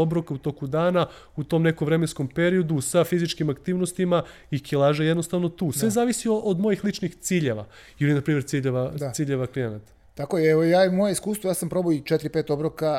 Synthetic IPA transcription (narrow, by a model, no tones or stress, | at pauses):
obɾokaut̪o̞kud̪aːna | ut̪o̞mne̞koʋɾe̞me̞nsko̞mpe̞ɾio̞d̪usafizit͡ʃkimakt̪iːʋnost̪ima | ikilˠaːʒajed̪no̞st̪aʋno̞t̪uːsʋe̞zaːʋisioʔod̪mo̞jixlˠit͡ʃnixt̪siːʎeʋa̰ | ilinapɾiːmeɾt̪siːʎeʋaiːʎeʋaklijenat̪ḁ | t̪akojeeojaːjemojeiskuːst̪ʋojaːsampɾo̞boit͡ʃet̪ɾipeːt̪obɾoka